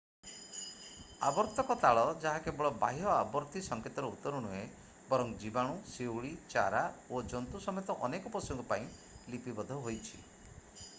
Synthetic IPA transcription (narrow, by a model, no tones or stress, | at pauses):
a̰bɔɾt̪ɔkɔt̪aɭɔd͡ʒaɦakebɔɭɔba̰ɦiɔabɔɾt̪isɔŋket̪ɔɾɔut̪ɔɾunuɦe | bɔɾɔŋd͡ʒibaɽ̃usewɭit͡ʃa̰ɾaod͡ʒɔnt̪usɔmet̪ɔʔɔnekɔpɔsɔŋɡɔpaĩ | lipibɔd̪ʱɔɦojt͡ʃʰḭ